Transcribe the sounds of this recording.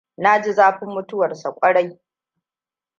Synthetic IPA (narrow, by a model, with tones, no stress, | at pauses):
na˦d͡ʒɪ˦zaː˦ɸɪ˦mːʊ˦tʊ˦wɐ˨rsa˨kʷʼɐ˦ɽa˦j